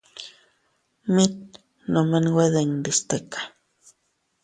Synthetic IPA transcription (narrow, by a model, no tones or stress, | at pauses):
mit̪̚ | nomenweðend̪ist̪ekḁ